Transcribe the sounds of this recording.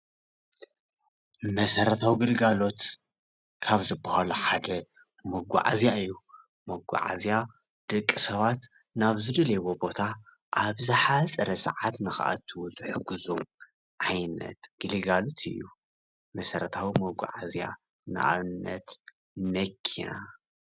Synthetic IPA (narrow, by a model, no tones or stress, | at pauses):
mɐsɐɾɐt̪ʰawiɡɨlɡalo̞t̪ | kʰaβzɨbːɐhaluħad̪ɐ | mɐɡʷa̰ʕazjaɨjːu | mɐɡʷa̰ʕa̰zja | d̪̥ɨkʼːɨsɐβat̪ | naβzɨd̪ɨlewobo̞t̪ʰa | ʔaβzɨħasʼɐɾɐsɐ̰ʕat̪nɨxʔa̰t̪ʰːɨwɔzʼɨħɨɡɨzom | ʕajnɐ̰t̪ɡ̥ɨlɨɡalo̞t̪ʰɨ̰jːu | mɐsɐɾɐt̪ʰawimɐɡʷa̰ʕazja̰ | nɨ̰ʔa̰βɨnːɐt̪ | mɐkʰːḭna